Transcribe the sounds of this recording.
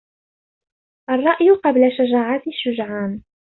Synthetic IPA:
ʔɑrˤːɑʔjqɑblaʃad͡ʒaːʕat̪ɪʃːʊd͡ʒʕaːn

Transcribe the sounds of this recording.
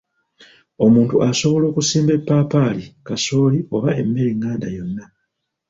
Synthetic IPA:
o̞muːntuʔaso̞βo̞lo̞ːkusiːmbe̞pːaːpalikaso̞ːlio̞βae̞mːe̞liŋːaːnda̰jo̞nːa

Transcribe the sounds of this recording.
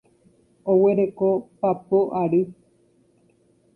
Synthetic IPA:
owe̞ɾe̞kopapoʔaɾɨ

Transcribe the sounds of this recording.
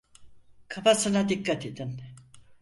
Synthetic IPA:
kʰafasɯnad̪ikːat̪ʰed̪in

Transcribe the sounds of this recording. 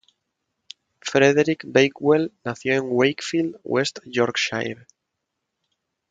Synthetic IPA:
fɾeðeɾikbejkwelnaθjoẽŋwejkfild̪west̪joɾkʃa̰jβ

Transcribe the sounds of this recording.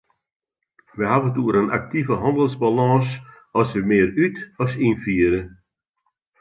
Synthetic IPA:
ʋəɦavəntuəɾənʔa̰k̚tivəɦɔndəlˠsbalɔ̃ːs | ɔsəmɪːɾytɔsinfiəɾə

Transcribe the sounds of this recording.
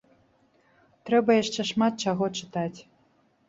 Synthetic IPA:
t̪ɾɛbɐjaʂt͡ʂɛʂmat̪̚t͡ʃaɣɔt͡ʂɨt̪at͡sʲ

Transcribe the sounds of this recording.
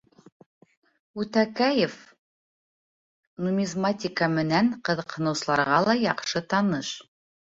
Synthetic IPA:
ut̪ækæjef | numʲizmatʲɪkəmɘ̆næɴqɤ̆ðɤ̆qhɤ̆nɤ̆wsɤ̆lˠɑɾʁɑlˠɑjɑqʃɤt̪ɑnɤʃ

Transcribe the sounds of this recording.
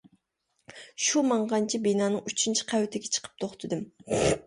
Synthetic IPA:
ʃumɑɴʁɑnt͡ʃʰibinɑːnɨŋyt͡ʃʰint͡ʃʰi̥qʰæwt̪ʰɪɡʲɛt͡ʃʰə̥qʰə̥p̚t̪ʰoχt̪ʰɨd̪ɨm

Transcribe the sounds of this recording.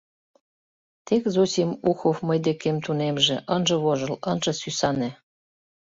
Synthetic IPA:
t̪ekzosʲimuxofməjd̪ekemt̪unemʒĕʔənʒɤ̆βoʒɤ̆lənʒɤ̆sysɑnĕ

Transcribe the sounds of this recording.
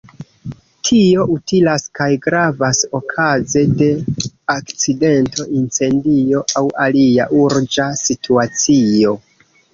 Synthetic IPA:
tʰio̞ʔutilaskajɡɾavaso̞kʰaze̞de̞akt͡side̞ntʰo̞ʔint͡se̞ndio̞ʔawaliaʔuɾd͡ʒasituat͡sio̞

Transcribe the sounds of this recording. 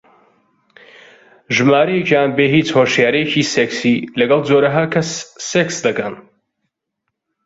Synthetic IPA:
ʒɨmaːɾɐjecjaːnbeɦit͡shoːʃjaːɾɐjeciːseksilɐɡɐlˠd͡zoːɾɐɦaːkʰɐsːeksd̪ɐkɐn

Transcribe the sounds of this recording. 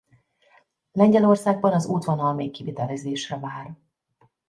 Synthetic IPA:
lɛɲɟɛlo̞rsaːɡ̚bɒnɒzuːt̪ʋɒnɒlmeːkːivit̪ɛlɛzeːʃrɛvaːr

